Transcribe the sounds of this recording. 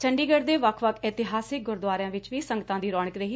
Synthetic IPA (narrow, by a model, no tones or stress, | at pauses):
t͡ʃʰəɳɖiːɡəɾd̪eːʋəkʰʋəkʰɛːt̪ɪɦaːsɪk̚ɡʊɾd̪ʋaːɾãːʋɪt͡ʃʋiːsə̃ŋɡət̪ãːd̪iːɾɔːɽ̃əkɾəɦiː